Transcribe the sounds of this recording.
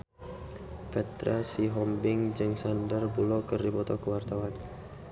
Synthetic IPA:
pɛt̪ɾasiɦɔmbɪŋd͡ʒɨŋsandərbulɔkərdibɔt̪ɔkəwart̪awan

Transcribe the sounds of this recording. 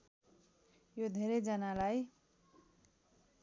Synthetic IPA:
jod̪ʱeɾed͡zʌnalaj

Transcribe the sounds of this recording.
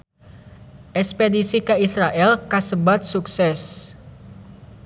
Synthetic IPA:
ʔɛkspedisikəisɾaʔɛlkasəbat̪̚suksɛs

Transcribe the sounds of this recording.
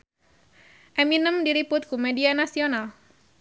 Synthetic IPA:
ʔeminəmdiɾipʊt̪̚kumedianasional

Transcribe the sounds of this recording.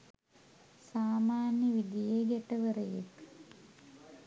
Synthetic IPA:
saːmaːnjəʋid̪ijeɡɛʈəʋəɾəjḛk

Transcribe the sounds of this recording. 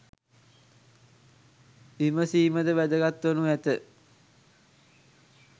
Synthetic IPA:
iməsiːməd̪əʋæd̪əɡat̪ʋənuæt̪ə

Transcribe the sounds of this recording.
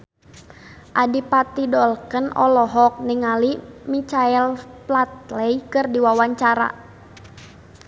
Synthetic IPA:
ʔadipat̪idɔlkənɔlɔɦɔk̚nɪŋalimit͡ʃaɛlplat̪̚lɛjkɨrdiwawaɲt͡ʃaɾa̰

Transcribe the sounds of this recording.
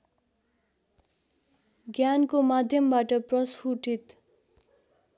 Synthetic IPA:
ɡjankomad̪ʱjʌmbaʈʌprʌspʰuʈit̪

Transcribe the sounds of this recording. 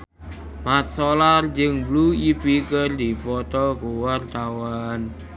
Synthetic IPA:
mat̪̚sɔlard͡ʒəŋbluipikərd̪i̤pɔt̪ɔkuwart̪awan

